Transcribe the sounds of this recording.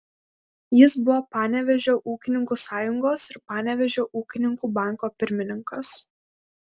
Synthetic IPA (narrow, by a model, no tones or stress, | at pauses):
jɪsbʊʋoːpɑːnʲɛʋʲɛʒʲoːʔuːkʲɪnʲɪŋkuːsɑːjʊŋɡoːsɪɾpɑːnʲɛʋʲɛʒʲoːʔuːkʲɪnʲɪŋkuːbɑˑŋˑkoːpʲɪɾʲmʲɪnʲɪŋkɐs